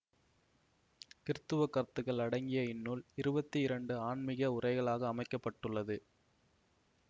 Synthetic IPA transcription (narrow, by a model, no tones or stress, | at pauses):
kɪɾɯt̪ːɯʋɐkːɐɾt̪ːɯɣɐɭɐɽɐŋɡɪjɐɪnːuːlɪɾɯbɐt̪ːiɪɾɐɳɖɯaːɳmɪɣɐʊrɐɪɣɐɭaːɣɐːmɐɪkːɐpːɐʈːɯɭːɐðɯ